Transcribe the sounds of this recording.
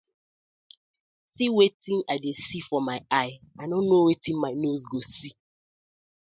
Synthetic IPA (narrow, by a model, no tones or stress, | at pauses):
siwetĩnadesifɔmaɪaɪanõnːowetĩnmaɪnosɡosi